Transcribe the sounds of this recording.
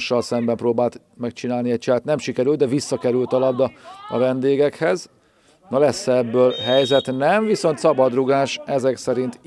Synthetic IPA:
ʃːɒlsɛmbɛmproːbaːlt̪ | mɛk̚t͡ʃinaːlniɛc̚t͡ʃɛːt̪nɛmʃikɛɾylt̪d̪ɛvisːɒkɛɾylt̪ɒlɒbd̪ɒɒ̰vɛnd̪eːɡɛkhɛz | nɒlɛsːɛɛbːøːlɦɛjzɛt̪nɛɱviso̞nt̪sɒbɒd̪ruɡaːʃɛzɛksɛɾint̪

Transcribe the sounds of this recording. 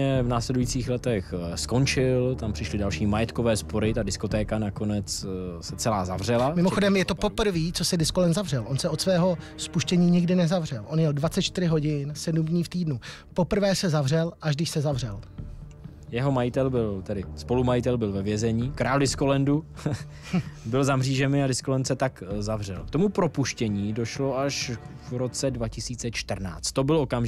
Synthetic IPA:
ɛvnaːslɛdujiːt͡siːxlɛt̪ɛxsko̞nt͡ʃɪlt̪ampr̥ɪʃlɪdalʃiːmajɛt̪kovɛːspo̞ɾɪt̪adɪskot̪ɛːkanako̞nɛt͡ssɛt͡sɛlaːzavr̝ɛlamɪmoxodɛmjɛt̪o̞po̞pr̩viːt͡sosɛdɪskolɛnzavrɛlʔo̞nsɛʔot̪svɛːɦo̞spuʃcɛɲiːɲɪɡdɪnɛzavr̝ɛlʔo̞njɛldvat͡sɛt̪t͡ʃt̪ɪɾɪɦo̞ɟɪnsɛdumdɲiːft̪iːdnu | po̞pr̩vɛːsɛzavr̝ɛlʔaʒdɪʃsɛzavrɛl | jɛɦo̞majɪt̪ɛlbɪlt̪ɛdɪspo̞lumajɪt̪ɛlbɪlvɛvjɛzɛɲiːkɾʔaːldɪskolɛndu | bɪlzamriːʒɛmɪadɪskolɛnt̪sɛt̪akzavr̝ɛ̰lkt̪o̞mupɾo̞puʃcɛɲiːdo̞ʃlo̞aʃvɾo̞t͡sɛdvacɪsiːt͡sɛt͡ʃt̪r̩na̰ːt͡st̪t̪ːo̞bɪlokamʒ

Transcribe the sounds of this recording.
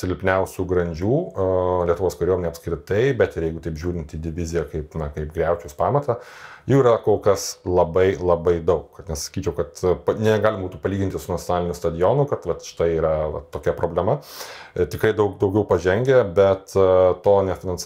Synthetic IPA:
sʲɪlʲɪlʲpʲnʲɛʊsʲuːɡɾɐnʲd͡ʒʲuːlʲiɛt̪ʊʋoːskɐɾʲoːmʲnʲɛɪɐpskɾʲɪt̪ɐɪbʲɛt̪ɪjɛɪɡʊt̪ɐɪpʒʲuːɾʲɪnt̪iːd̪ʲɪʋʲɪzʲɪjɛkɐɪpnɐkɐɪpɡɾʲɛʊt͡ʃʲuʊspɑːmɐt̪ɐjuːiɾɐkoːlˠkɐslˠɐbɐɪlˠɐbɐɪd̪ɐʊkkɐt̪nʲɛssɐ̥kʲiːt͡ʃʲɛʊkɐt̪pɐnʲɛɡɑːlʲɪmɐbuːt̪upɐlʲiːɡʲɪntʲɪsʊnɐtt͡sʲjonɑːlʲɪnʲʊst̪ɐd̪ʲɪjonʊkɐt̪ʋɐt̪ʃʲɪ̥t̪ɐɪiːɾɐʋɐ̰t̪oːkʲɛpɾʔoːbʲlʲɛmɐt̪ʲɪkɾɐɪd̪ɐʊkd̪ɐʊɡʲɛʊpɐʒʲɛŋʲɡʲɛbʲɛt̪toːnʲɛfʲɪnɐns

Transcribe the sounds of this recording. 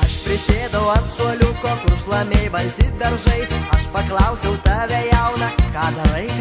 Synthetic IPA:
ɐʃpʲɾʲɪsʲeːd̪ɐʋʊɐnt̪suɔlʲʊkoːkʊɾʃlˠɐmʲeːjbɐlʲt̪ʲiːt̪̚ʲd̪ɐɾʒɐɪɐʃpɐklˠɑʊsʲɛʊt̪ɑːʋʲæjæʊnɐkɑːd̪ɐɾɐɪ

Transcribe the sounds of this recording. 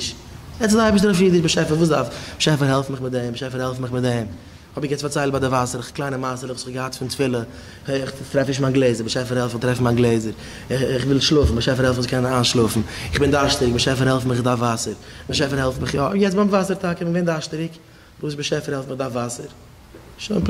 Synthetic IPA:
ɪʃ | jɛt͡sdaɪbɪʃtdəɾɔfjiːdɪʃbɪʃɛfəɾvuːsda̰fʃɛfəɾhɛlˠfmɪχmɪt̚dɛmbɪʃɛfəɾhɛlˠfmɪχmɪt̚dɛm | hɔbɪjɛt͡sfaɾt͡saɪlˠbadɪvasəɾɪχklˠaɪnəmasəlχsɡəhatfɪntfɪlˠə | ɪχtɾɛfnɪʃmaːnɡlˠeɪzəɾbɪʃɛfəɾhɛlˠftɾɛfn̩maːnɡlˠeɪzəɾ | ɪχvɪlˠʃlˠʊfn̩bɪʃɛfəɾhɛlˠfmsɪkʰɛnaːnʃlˠʊfn̩ɪχbɪndaʃtɪɾɪk̚bɪʃɛfəɾhɛlˠfmɪχɪdafvasəɾbɪʃ̬ɛfəɾhɛlˠfmɪχjɔːjɛt͡sbamvasəɾtakɪbɪnɡveɪndaʃtəɾɪk | vuːsbɪʃɛfəɾhɛlˠfmɪχdafvasəɾ | ʃonp

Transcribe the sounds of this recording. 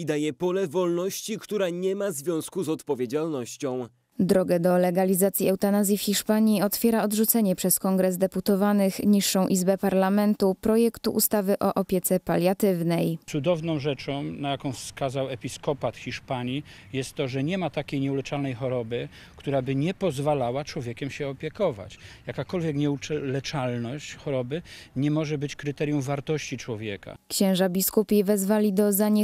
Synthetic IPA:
id̪ajɛpɔlɛvɔlnɔɕt͡ɕikt̪uɾaɲɛmazvʲjɔ̃w̃skuzɔt̪pɔvʲjed͡ʑalnɔɕt͡ɕɔ̃w̃ | d̪ɾɔɡɛd̪ɔlɛɡalʲizat̪sʲjiɛwt̪anazʲjifxʲiʂpaɲiɔt̪fʲjɛɾaɔd̪ʐut̪sɛɲɛpʂɛskɔŋɡɾɛzd̪ɛput̪ɔvanɘxɲiʂːɔ̃w̃ʔizbɛpaɾlamɛnt̪upɾɔjɛkt̪uʔṵst̪avɘʔɔʔɔpʲjɛt̪sɛpalʲjat̪ɘvnɛjt̪sud̪ɔvnɔ̃w̃ʐɛt͡ʂɔ̃w̃najakɔ̃w̃fskazawɛpʲiskɔpat̪xʲiʂpaɲi | jɛst̪ːɔʐɛɲɛmat̪akʲejɲɛulɛt͡ʂalnɛjxɔɾɔbɘ | kt̪uɾabɘɲɛpɔzvalawat͡ʂwɔvʲjɛkʲɛmɕɛɔpʲjɛkɔva̰t͡ɕjakakɔlvʲjɛkɲɛut͡ʂɛlɛt͡ʂalnɔɕt͡ɕxɔɾɔbɘɲɛmɔʐɛbɘt͡ɕkɾɘt̪ɛɾjumvaɾt̪ɔɕt͡ɕit͡ʂwɔvʲjɛka̰kɕɛ̃w̃ʐabʲiskupʲivɛzvalʲid̪ɔzaɲɛ

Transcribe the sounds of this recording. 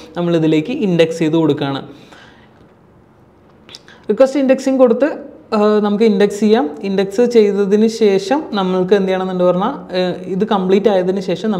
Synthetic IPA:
nɐmːɐɭiðile̞ːkʲːɨʔindekst͡ɕe̞jðɨko̞ɽukːaːɳɨ̰ | rikːʋesʈindeksiŋko̞ɽut̪ːɨnɐmukːɨindeksijːaːmindeksɨt͡ɕe̞jt̪ːɐðinɨɕe̞ːʂɐmnɐmːɐɭkɨend̪ɐjaːɳenːondɨpɐrɐɲːaiðɨkɐmpɭiːtːaːjɐðinɨɕe̞ːʂɐmnɐ

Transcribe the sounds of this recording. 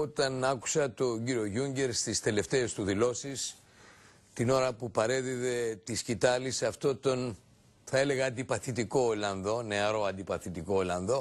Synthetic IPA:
o̞t̪ɐnɐku̥sɐt̪o̞ɟiɾio̞ʝuɲɟe̞ɾst̪ist̪e̞le̞ft̪e̞ːst̪uðilo̞sis | t̪ino̞ɾɐpupɐɾe̞ðiðe̞t̪iscit̪ɐlisɐft̪o̞t̪o̞n | θɐele̞ɣɐːnd̪ipɐθit̪iko̞ːlɐnðo̞ne̞ɐɾo̞ɐnd̪ipɐθit̪iko̞olɐnðo̞

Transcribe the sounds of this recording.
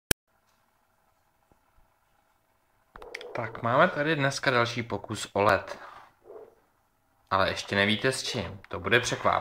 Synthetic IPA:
t̪akmaːmɛt̪adɪdnɛskadalʃiːpo̞kusʔo̞lɛt̪ | ʔalɛʔɛʃcɛnɛviːt̪ɛst͡ʃɪmt̪o̞budɛpr̝̥ɛkva̰

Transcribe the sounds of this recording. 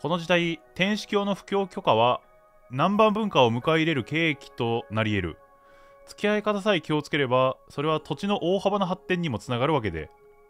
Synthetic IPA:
ko̞no̞ʑid̪ait̪ẽ̞ɰ̃ɕi̥kʲo̞ːno̞ɸɯ̟̥kʲo̞ːkʲo̞kaβ̞a | nãmbãmbɯ̟̃ŋkaomɯ̟kaiɾe̞ɾɯ̟ke̞ːkʲi̥t̪o̞naɾʲie̞ɾɯ̟̰ | t͡sɨ̥kʲiaekat̪asaikʲio̞t͡sɨ̥ke̞ɾe̞baso̞ɾe̞β̞at̪o̞t͡ɕino̞ʔoːhabanaɦat̪ːẽ̞ɲ̟ːimo̞t͡sɨnaɡaɾɯ̟βak̬e̞d̪ḛ

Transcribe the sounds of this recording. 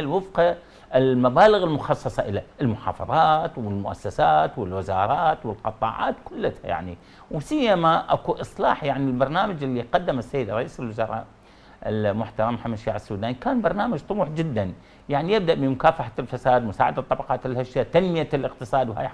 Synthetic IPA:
lwɪfqa | ɪlmabaːlɪɣɪlmʊxɑsˤːɑsˤɑʔɪlaʔɪlmʊħɑ̰ːfɑ̰ðˤɑːt̪wɪlmʊʔa̰sːasaːt̪wɪlwɪzɑːɾˤɑːt̪wɪlqɑt̪ˤːɑ̰ːʕa̰ːt̪kʊlːat̪ha̰ja̰ʕni | wɪsɪjːamaʔakuʔɨsˤlɑːħjaʕnilbɑɾˤnaːmad͡ʒʔɪlːiqɑd̪ːamasːajːɪd̪ɾˤɑʔiːsɪlwɪzɑɾˤɑ̰ːʔ | ʔɪ̰lmʊħt̪ɑɾˤɑmħamːad̪ʃaːʕɪsːuːd̪aːnikaːnbɑɾˤnaːmad͡ʒt̪ˤʊmuːħd͡ʒɪd̪ːan | jaʕnijɪb̚d̪aʔbɪmʊkaːfaħalfasaːd̪mʊsaːʕad̪at̪ˤːɑbɑqɑːt̪ʔɪlhaʃːat̪anmɪjalɪq̚t̪ɨsˤɑːd̪wha̰j

